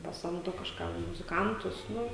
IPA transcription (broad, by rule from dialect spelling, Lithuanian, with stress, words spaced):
pɐˈsɐmdoː kɐʃˈkɐm mʊzʲɪˈkɐntʊs ˈnʊ